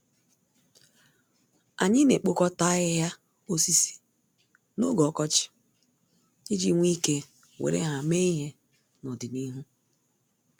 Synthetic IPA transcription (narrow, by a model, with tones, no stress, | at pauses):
a˨ɲɪ˦ne˨k͡po˦kɔ˦ta˦ɣɪ˦ja˦ | o˦si˦si̥˨ | no˦ɡɔ˨˦kɔ˦t͡ʃɪ̥˨ | ɪ˦d͡ʒi˦ŋʷ˦i˦ke˦ | wʔḛ˨ɾḛ˦ɦa˨me˦i˦ɦe˦ | nɔ˨dɪ˨ni˦ɦu˦